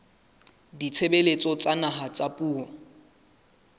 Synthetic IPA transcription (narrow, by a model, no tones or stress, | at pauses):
dit͡sʰebelet͡sʼɔt͡sʼanaɦat͡sʼapʼuːɔ